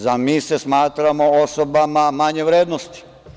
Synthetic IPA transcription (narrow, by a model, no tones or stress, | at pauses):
zamiːsesmaːt̪ɾamo̞osobamamaɲeʋɾeːd̪nost̪i̥